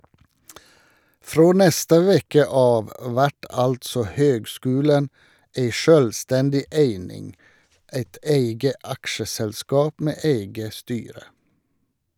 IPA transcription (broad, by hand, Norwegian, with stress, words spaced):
ˈfɹoː ˈnɛstə ˈʋɛkə ˈɑːʋ ˈʋæʈ ˈɑltsɔ ˈhøːɡˌskʉːlən ˈæɪ ˈʃøːlˌstɛndɪ ˈæɪnɪŋ ˈæɪt ˈæɪɡə ˈɑkʃəsɛlˌskɑːp ˈmeː ˈæɪɡə ˈstyːɾə